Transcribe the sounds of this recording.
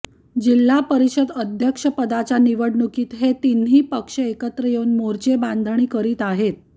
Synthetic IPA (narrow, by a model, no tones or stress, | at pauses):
d͡ʑilːapəɾiɕəd̪əd̪ʱjəkʂəpəd̪at͡saniʋəɽnukiːt̪ɦet̪inɦiːpəkʂəekət̪ɾəjeunmoɾt͡ɕeband̪ʱəɳ̃iːkəɾiːt̪aɦet̪̚